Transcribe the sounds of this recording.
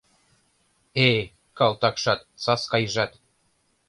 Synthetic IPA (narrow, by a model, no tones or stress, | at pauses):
e | kɑlˠt̪ɑkʃɑt̪sɑskɑjʒɑt̪